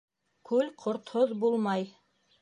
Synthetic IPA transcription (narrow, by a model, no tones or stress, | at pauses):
kʉlqʰŏɾt̪hoðbulˠmɑj